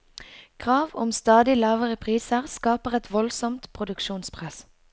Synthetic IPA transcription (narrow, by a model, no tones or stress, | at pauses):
kʰʁɑːʋʊmst̪ɑːd̪ɪlɑːʋəʁəpʰʁiːsəʁskɑːpəʁɛt̪ʰʋɔlsɔmt̪pʰʁʊd̪ʉkʃuːnspʰʁɛs